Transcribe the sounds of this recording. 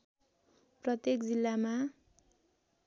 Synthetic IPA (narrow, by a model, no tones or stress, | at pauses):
prʌt̪jekd͡zilːama